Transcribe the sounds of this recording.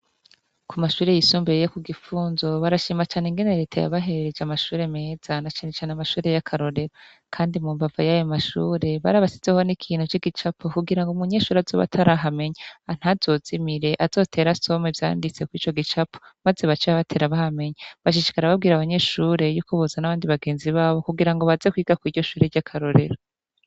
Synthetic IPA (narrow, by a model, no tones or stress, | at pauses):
kumaʃuːɾejisuːmbeɾejokuɡifuːnzo̞βaɾaʃiːmat͡ʃaːneŋɡe̞ne̞ɾe̞ːtʰa̰ja̰βaɦe̞ɾeɾed͡ʒamaʃuːɾe̞me̞ːz̥anat͡ʃaːne̞t͡ʃaːneamaʃuːɾe̞jakʰaɾo̞ɾe̞ɾa | kʰaːndimumvavajajomaʃṵːɾe̞βaɾaβasi̥zeho̞nikʰiːnhut͡ʃiɡit͡ʃapʰokuɡiɾaŋɡumuɲe̞ʃuːɾeazo̞̰βa̰tʰaɾaɦame̞ɲaan̥hazo̞z̥imiɾe̞ʔaz̥o̞tʰe̞ːɾaso̞mevja̰ːndit͡se̞kwiːt͡ʃo̞ɡit͡ʃapomaze̞βat͡ʃeβaβatʰe̞ɾaβahame̞ɲaβaʃ̬iʃi̥kaɾaβabɡiːɾaβaɲe̞ʃuːɾe̞juːkoβuzanaβaːndiβaɡe̞ːnziβaːβo̞kuɡiɾaŋɡoβazekwiːɡakwiːɾɟo̞ʃuːɾe̞ɾɟakʰaɾo̞ɾe̞̰ɾo